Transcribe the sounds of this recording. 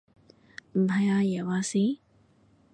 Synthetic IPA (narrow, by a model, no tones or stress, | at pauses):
bʱɐjaːjewaːsi